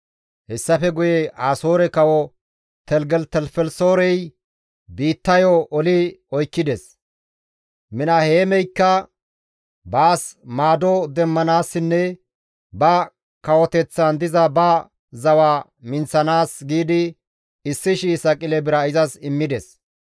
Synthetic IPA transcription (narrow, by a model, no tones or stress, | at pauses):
hɛsːɐfɛɡʊjɛʔaːsoːɾɛkɐwɔ | t̪ɛlɡɛlt̪ɛlfɛlsoːɾɛj | biːt̪ːɐjɔʔɔlɪɔjkːɪd̪ɛs | mɪnɐheːmɛjkːɐ | baːsmaːd̪ɔd̪ɛmːɐnaːsːɪnːɛ | bɐ | kɐwɔt̪ɛt͡sːɐnd̪ɪzɐbɐ | zɐwa | mɪnt͡sːɐnaːsɡiːd̪ɪ | ɪsːɪʃiːsɐkʼɪlɛbɪɾɐɪzɐsɪmːɪd̪ɛs